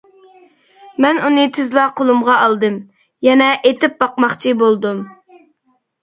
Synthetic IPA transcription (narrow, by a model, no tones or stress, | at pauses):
mɛnunɨt̪ʰɪzlˠɑqʰolˠumʁɑɑlˠd̪ɨm | jɛnɛʔet̪ɪp̚bɑqmɑχt͡ʃʰibolˠd̪um